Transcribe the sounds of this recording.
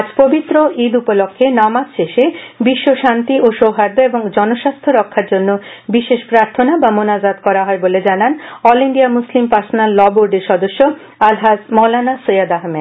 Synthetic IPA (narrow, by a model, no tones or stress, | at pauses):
ad͡ʑpobit̪ːɾoʔid̪upolokʰːenamad͡ʑʃeʃebiʃːoʃant̪ioʃowɦaɾd̪oeboŋd͡ʑɔnoʃast̪ʰoɾɔkʰːaɾd͡ʑonːobiʃeʃpɾaɾt̪ʰonabamonazat̪kɔɾaɦɔeboled͡ʑananɔliɳɖiamuslimpaɾsonalːɔboɾɖeɾʃɔd̪oʃːo | alɦasmɔlanasojad̪aɦme